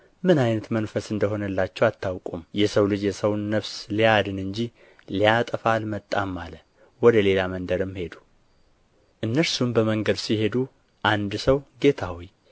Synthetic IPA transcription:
mɨnajnət̪mənfəsɨnd̪əɦo̞nəlːat͡ʃːɛwat̪ʰːawkʼumjɛsəwlɨd͡ʒjɛsəwnːəβslijad̪ɨnɨɲd͡ʒi | lijat̪ʼəfalmət̪ʼːamːalə | wɔd̪əle̞lamənd̪əɾɨmːhe̞d̪u̥ | ʔɨnːəɾsumbəməŋɡəd̪sihe̞d̪u | ʔand̪səwɡe̞t̪ʰawij

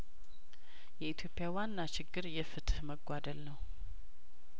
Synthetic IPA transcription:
jɛit̪ʰjo̞pʼːjawanːat͡ʃɪɡːɨɾjɛfɨt̪ʼhməɡʷad̪əlnəw

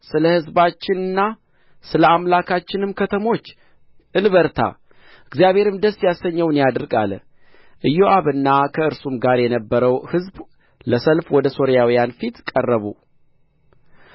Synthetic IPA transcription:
sɨləhɨzbat͡ʃːɪnɨnːa | sɨləamlakʰat͡ʃːɪnɨmkʰət̪ʰəmo̞t͡ʃː | ʔɨnβəɾt̪ʰa̰ | ɨɡzijaβhe̞ɾɨmd̪əsːjasːəɲːəwɨnjad̪ɨɾɡa̰l | ʔɨjːoʔaβɨnːakʰəɨɾsumɡaɾjɛnəbːəɾəwhɨzb | ləsəlfwɔd̪əso̞ɾijawijanfit̪kʼərːəβṵ

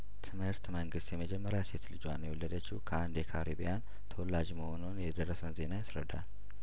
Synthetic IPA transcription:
t̪ʰɨmhɨɾt̪məŋɡɨst̪jɛməd͡ʒɛmːəɾaset̪lɨd͡ʒuwanːjɛwɔlːəd̪ət͡ʃːɪkʰəand̪jɛkʰaɾibijan | t̪ʰəwɔlːad͡ʒməho̞nunjɛd̪ərːəsənze̞najasɾəd̪a̰l

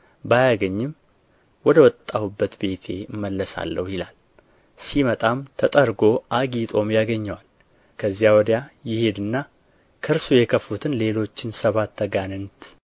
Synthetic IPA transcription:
bajaɡəɲːɪm | wɔd̪əwɔt̪ʼːahubːət̪be̞t̪ʰe̞̰ɨmːəlːəsa̰lːə̰wjɪlal | simət̪ʼamt̪ʰət̪ʼəɾɡo̞ʔaɡit̪ʼo̞mjaɡəɲːəwal | kʰəzːijawɔd̪jajɪhe̞d̪ɨnːa | kʰɨɾsujɛkʰəfut̪ʰɨnle̞lo̞t͡ʃːɪnsəβat̪ʰːəɡanɨnt̪

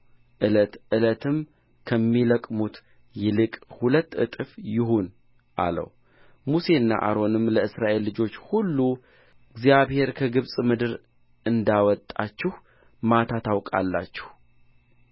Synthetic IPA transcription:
ʔɨlət̪ʔɨlət̪ʰɨm | kʰəmːiləkʼmut̪ | jɛlɨkʼhulət̪ːɨt̪ʼɨfjɪɦun | ʔa̰lə̰w | muse̞ɨnːa̰ʔa̰ɾo̞nɨmləɨsɾaʔe̞lːɨd͡ʒo̞t͡ʃːhulːu | ɨɡzjaβhe̞ɾkʰəɡɨβsʼmɨd̪ɨɾ | ʔɨnd̪awɔt̪ʼːat͡ʃːɪh | mat̪ʰat̪ʰawkʼa̰lːa̰t͡ʃːɪ̥h

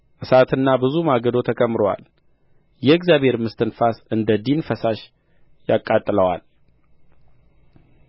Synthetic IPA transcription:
ʔɨsat̪ʰɨnːabɨzumaɡəd̪o̞t̪ʰəkʼəmːɾowa̰l | jɛɛɡzjabe̞ɾmɨst̪ʰɨnfasɨnd̪əd̪infəsaʃ | jakʼːat̪ʼːɨləwa̰l

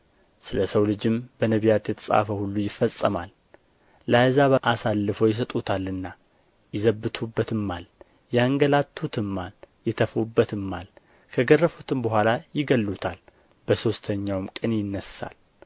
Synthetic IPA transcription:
sɨləsəwlɨd͡ʒɪmbənəβijat̪jɛt̪ʰə̥sʼa̰fəhulːujɪfːəsʼːəma̰l | lajzaʔasalːɨfəjɪs̬ət̪ʼut̪ʰalːɨnːa | jɪzəbːɨt̪ʰubːət̪ɨmːal | jɛŋɡəlat̪ʰːut̪ʰɨmːaljɛt̪ʰəfubːət̪ɨmːal | kʰəɡərːəfut̪ʰɨmbəɦʷalajɪɡəlːut̪ʰal | b̥əso̞st̪ʰəɲːawmkʼɨnjɪnːəsːa̰l

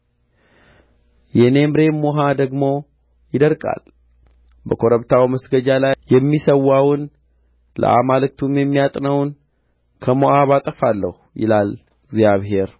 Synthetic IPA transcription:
jɛne̞mɾe̞mːoɦad̪əɡmo̞ | jɪd̪əɾkʼa̰l | bəkʰo̞ɾəβt̪ʰawməsɡəd͡ʒalajɛmːisəwːawʊn | lə̰ʔamalɨk̚t̪ʰumjɛmːijat̪ʼnəwn | kʰəmoʔaβat̪ʼəfalːəhujɪ̰lal | ɡzjaβɦe̞ɾ

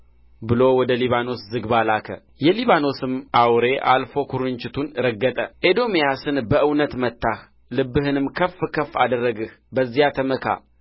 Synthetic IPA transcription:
bɨlo̞wɔd̪əliβano̞szɨɡbalakʰə̰ | jɛliβano̞sɨmʔawɾe̞ʔalfo̞kʰuɾɨnt͡ʃɪt̪ʰunɨɾəɡːət̪ʼəʔed̪o̞mijasɨnbəʔɨwnət̪mət̪ʰːah | lɨbːɨhɨnɨmkʰəfːkʰəfːad̪ərːəɡɨh | bəzːijat̪ʰəməkʰa̰

